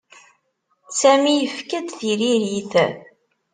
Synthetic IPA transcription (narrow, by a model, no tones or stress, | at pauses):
sæmijəfkæd̪θiɾiɾiθ